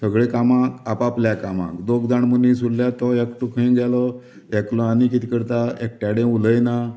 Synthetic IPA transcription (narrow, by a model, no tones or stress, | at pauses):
səɡɭekamãkapapljakamã̰kd̪oɡd͡z̪aɳmənisuɽljat̪ɔjɛkʈukʰəĩɡalɔ | ɛklɔ̃anikit̪ikəɾt̪aek̚ʈaɽẽuləjna